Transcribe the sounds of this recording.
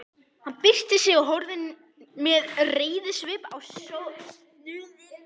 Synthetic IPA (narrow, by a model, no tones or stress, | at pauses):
hanpɪst̪ɪsjɛɣʏɦɔwɾðɪn | mɛðreːjðɪsvɪːpa̰wsos | nʏːðɪ